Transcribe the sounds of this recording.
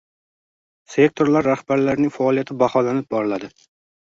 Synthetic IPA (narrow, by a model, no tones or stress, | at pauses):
se̞k̚t̪ʰo̞ɾlaɾːahb̥aɾlaɾnɪŋʲfaɒːlijat̪ʰɪbaχɒlanɪp̚bɒɾɪlad̪ɪ